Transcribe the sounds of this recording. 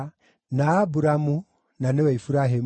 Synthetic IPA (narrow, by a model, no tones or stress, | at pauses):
nabuɾamu | naneweifuɾaɦem